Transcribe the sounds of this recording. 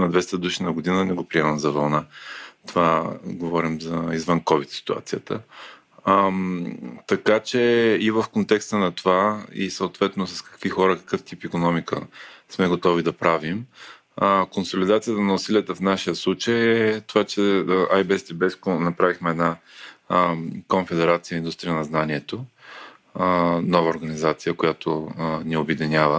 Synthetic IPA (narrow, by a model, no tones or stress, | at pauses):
nɐd̪vɛst̪əd̪uʃinɐɡʊd̪inənɛɡopɾiɛmɐmzɐvɐlˠnat̪ovaɡovɔɾimzɐizvənkɔvit̪si̥t̪ua̰t̪sijət̪ə | mt̪ɐkat͡ʃɛivəfkont̪ɛkst̪ənɐt̪ovaḭsəʊt̪vɛt̪nosɐ̥skɐ̥kvixɔɾəkɐ̥kɤft̪ipikonɔmikə̰smɛɡot̪ɔvid̪ɐpɾavim | konsolid̪at̪sijət̪ənɐʊsiliət̪əfnaʃijəslˠut͡ʃəjɛt̪ovat͡ʃɛajbɛst̪ibɛskonɐpɾavixmɛɛd̪na | konfɛd̪ɛɾat̪sijəind̪ust̪ɾijənɐznaniɛt̪o | nɔvɐoɾɡɐnizat̪sijəkojat̪oniobɛd̪inʲavə